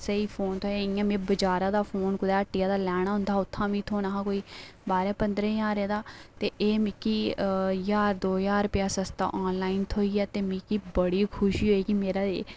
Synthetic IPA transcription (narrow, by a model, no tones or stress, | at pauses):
səiːpʰoːnt̪ʰoːɛːɪːãːmẽːbəd͡ʒaːɾãːd̪aːpʰoːnkʊd̪ɛːəʈːiːaːd̪aːlɛːɽ̃aːɦʊ̃nd̪aːʊt̪ʰːãːʋĩːt̪ʰoːnaːɦãːkoːiːbaːɾɛːpənd̪ɾɛ̃ːjaːɾeːd̪aːt̪eːʔeːmiːkiːjaːɾd̪oːjaːɾpjaːsəst̪a̰ːʔɔːnlaːint̪ʰoːiːɛːt̪eːmikiːbəɽiːkʰʊʃiːɦoːiːkɪmeːɾaːe